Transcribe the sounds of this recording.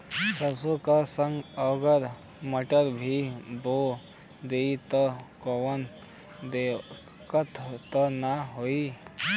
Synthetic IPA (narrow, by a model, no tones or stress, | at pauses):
səsokasə̃ŋɡəɡəɾ | məʈəɾbʱibo | d̪eːit̪ɔkɔʋən | d̪e | kət̪ʰt̪ɔnaɦoi